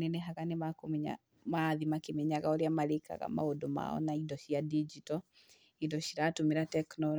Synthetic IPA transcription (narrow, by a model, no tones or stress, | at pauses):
neneɦaɣanemakomiɲa̰ | maðimakemɛɲaɣaoɾeamaɾeka̰ɣa̰ma̰odoma̰ɔ̰naidɔɕiadid͡ʒitɔ | idɔɕiɾatomeɾatɛknɔ